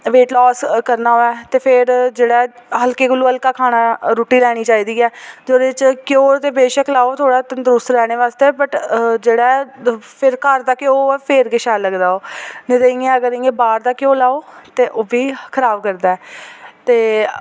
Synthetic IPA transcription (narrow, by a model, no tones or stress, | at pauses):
ʋeːʈlɔːskəɾnaːɦoːɛːt̪eːpʰɪɾd͡ʒeːɽaːɦəlkeːkəluːəlkaːkʰaːɽ̃aːɾuːʈiːɾɛːɽ̃iːt͡ʃaːiːd̪iːɛːd͡ʒoːd̪eɪt͡ʃkjoːt̪eːbeːʃəklaːoːt̪ʰoːɽaːt̪ənd̪ɾʊst̪ɾɛːɽ̃eːʋaːst̪eːbəʈd͡ʒeːɽaːɛːpʰɪɾkəɾd̪aːkjoːoɛːpʰɪɾɡɪʃaːləɡd̪aːoːnɪt̪əɪ̃ŋãəɡəɾɪ̃ŋɡeːbaːɾd̪aːkjõːlaːoːt̪eːʔoːbiːkʰəɾaːbkəɾd̪aːɛːt̪eː